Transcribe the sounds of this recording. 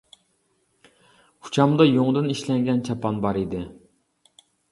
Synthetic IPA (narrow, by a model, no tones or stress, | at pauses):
u̥t͡ʃʰɑmd̪ɑjoŋd̪ɨniʃlɛŋɡʲɛnt͡ʃʰɑpɑnbɑɾid̪ɪ